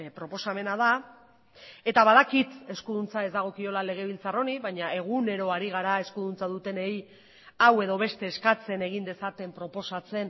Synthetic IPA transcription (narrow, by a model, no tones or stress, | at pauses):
pɾo̞po̞same̞naða | e̞t̪aβaðakit̪e̞skuðunt͡sae̞zd̪aɣ̞o̞kio̞lale̞ɣ̞e̞βilt͡saro̞niβajɲae̞ɣ̞une̞ɾo̞aɾiɣ̞aɾae̞skuðunt͡saðut̪e̞ne̞j | awe̞ð̞o̞β̞e̞st̪e̞ːskat͡se̞ne̞ɣ̞ind̪e̞sat̪e̞mpɾo̞po̞sat͡se̞n